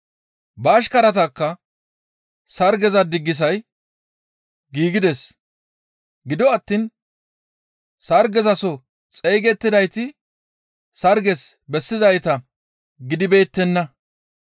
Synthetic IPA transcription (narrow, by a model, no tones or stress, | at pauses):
bɐːʃ̬kɐɾɐt̪ɐkːɐ | sɐɾɡɛzɐd̪ɪɡːɪs̬ɐj | ɡiːɡɪd̪ɛs | ɡɪd̪ɔɐt̪ːiːn | sɐɾɡɛzɐsɔ | t͡sʼejɡɛt̪ːɪd̪ɐjt̪ɪ | sɐɾɡɛsbɛsːɪzɐjt̪ɐ | ɡɪd̪ɪbe̞ːt̪ːɛnːɐ